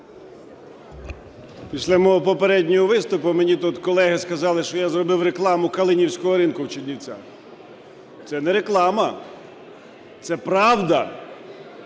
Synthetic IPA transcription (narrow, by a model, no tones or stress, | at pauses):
pʲisʲlʲɐmɔɔpɔpeɾɛdʲnʲɔɦɔʋɪst̪ʊpʊmenʲit̪ut̪kɔlˠɛɦɪskɐzɑlˠɪʃt͡ʃɔjazrɔbɪwɾeklˠɑmʊkɐlˠɪnʲiwsʲkɔɦɔɾinkʊwt͡ʃidʲnʲiwt͡sʲa̰ | t̪sɛnɛɾeklˠɑmɐ | t̪sɛpɾɑwd̪ɐ